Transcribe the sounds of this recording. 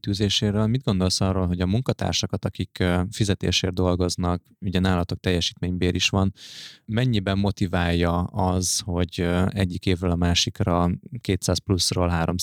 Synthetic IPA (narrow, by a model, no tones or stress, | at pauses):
t̪yːzeːʃeːɾøːlmid̪̚ɡo̞nd̪o̞lsɒrːoːlɦo̞ɟɒmuŋkɒt̪a̰ːrʃɒkɒt̪ɒkikːfizɛt̪ḛːʃeːrd̪o̞lɡo̞znɒk | uɟɛnaːlɒt̪o̞k̚t̪ɛjːɛʃiːt̪meːɲbeːɾiʃʋɒnmɛɲːibɛmːo̞t̪ivaːjːɒɒzho̞ɟɛɟːikeːvrøːlɒmaːʃikrɒkeːt̪saːsplusroːlɦaːɾo̞m